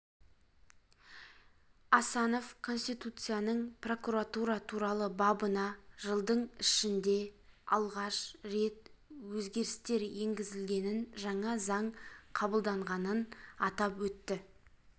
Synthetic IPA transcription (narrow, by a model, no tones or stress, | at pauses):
ɑsɑno̞fkʰo̞nst̪ijt̪ut̪sɨjanəɴpro̞kuɾat̪uɾɑt̪ʰuɾɑlˠəbɑbənɑʒəlˠd̪əɴɪʃɪnd̪e̞ɑ̰lˠʁɑʃɾe̞t̪̚wɵzɡʲe̞ɾɪst̪e̞ɾje̞ŋɡʲɪzɪlɡʲe̞nɪnʒɑɴɑzɑɴqʰɑbəlˠd̪ɑɴʁɑnənɑt̪ɑpwɵt̪ːɪ